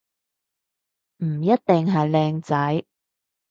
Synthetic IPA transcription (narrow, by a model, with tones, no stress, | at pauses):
m̩˨˩jɐ˥t̚t̪ɪ˨ŋɦɐ˨jlɛː˧ŋt͡sɐ˨˥j